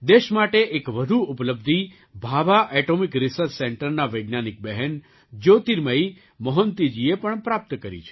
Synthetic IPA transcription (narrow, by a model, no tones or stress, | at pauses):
d̪eʃmaʈeʔekʋəd̪ʱuupləbd̪ʱi | bʱaʋaʔɛʈomikɾɪsəɾssɛɳʈəɾnaʋəjɡnanik̚bɛɦɛn | d͡ʒot̪iɾməi | məɦənt̪id͡ʒiepəɳpɾap̚t̪kəɾḭt͡ʃʰe̥